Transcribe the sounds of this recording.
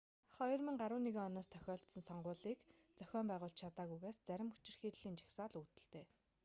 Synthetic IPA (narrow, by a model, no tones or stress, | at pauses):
χɔj̆rmĭŋɢaɾʊːneɣeːɔnɔːst̪ʰœ̥xʲɔːɬt̪sɞ̆nsɔɴɢʊːɮiːkt͡sœxʲɔːmpæːʁʊːɬt͡ɕt͡ɕʰat̪aːɣujɣaːst͡sæɾʲɪ̆mut͡ɕɪ̆rxiːɮːiːnt͡ɕḁxsaːɮuːt̪ɘ̆ɮt̪eː